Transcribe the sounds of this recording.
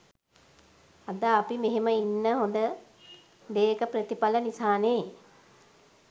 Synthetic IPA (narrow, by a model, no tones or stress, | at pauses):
ad̪aːpimeɦeməinːəɦond̪ə | d̪eːkəprət̪ipalənisaːneː